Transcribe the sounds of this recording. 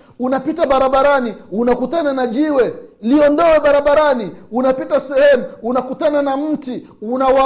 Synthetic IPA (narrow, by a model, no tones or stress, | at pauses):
unapitaɓaɾaɓaɾaniunakutananaʄiwɛliɔndɔɛɓaɾaɓaɾaniunapitasɛhɛmuunakutananam̩ti | unawa